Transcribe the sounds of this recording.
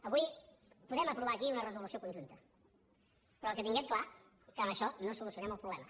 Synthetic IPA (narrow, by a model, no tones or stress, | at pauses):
ɐβuj | puðɛmɐpɾuβakiunɐrəzulusiokuɲʲʒunt̪ɐ | pɾɔkət̪iŋɡɛt̪̚kla | kamɐʃɔnõsulusiunɛmulˠpɾuβlɛmɐ